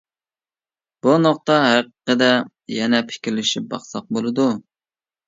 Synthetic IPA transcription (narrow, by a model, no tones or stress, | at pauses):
b̥unoq̚t̪ɑɦæqəqəd̪ɛ | jɛnɛpʰɪ̥kʲɾlɪʃip̚bɑ̰χsɑq̚bolˠɨd̪u